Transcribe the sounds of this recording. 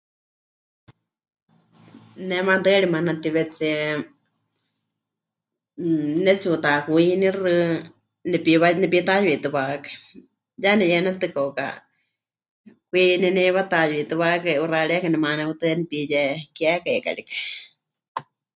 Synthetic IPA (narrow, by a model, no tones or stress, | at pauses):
nɛmat̪ɨɺimanat̪iβɛt͡si | nɛt͡sut̪akuinirɨ | nɛpiwanɛpit̪ajit̪ɨβakḁ | janɛjɛnɛt̪ɨkoka̰ | kʷininiβat̪ajit̪ɨβakaʔuraɺɛkanɛmanɛut̪ɨnipijɛkiakaika̰ɺikḁ